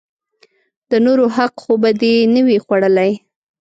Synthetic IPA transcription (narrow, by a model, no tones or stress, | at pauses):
d̪̥ənoɾoɦaqxobad̪enəwixwaɽəlaj